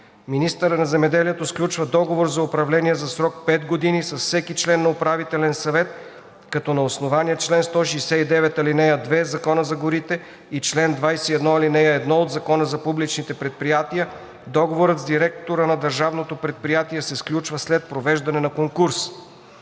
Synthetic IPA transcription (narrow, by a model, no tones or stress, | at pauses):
minist̪əɾənɐzɛmɛd̪ɛliɛt̪osklʲut͡ʃvɐd̪ɔɡovoɾzɐʊpɾɐvlɛniɛzɐsɾɔk̚pɛd̪ɡod̪inisɐsfsɛkit͡ʃlɛnːɐopɾavit̪ɛlɛnsɐvɛt̪ | kɐt̪ɔnɐosnovaniət͡ʃlɛnst̪ɔʃɛjsɛid̪ɛvɛt̪ɐlinɛjəd̪vɛzɐkɔnəzɐɡoɾit̪ɛ | it͡ʃlɛnd̪vajsɛiɛd̪nɔɐlinɛjəɛd̪nɔod̪zɐkɔnəzɐpublit͡ʃnit̪ɛpɾɛt̪̚pɾijat̪ijə | d̪ɔɡovoɾət̪zd̪iɾɛk̚t̪oɾənɐd̪ɐɾʒavnot̪opɾɛt̪̚pɾijat̪iɛsɛsklʲut͡ʃvəslɛt̪̚pɾovɛʒd̪ɐnɛnɐkoŋkuɾs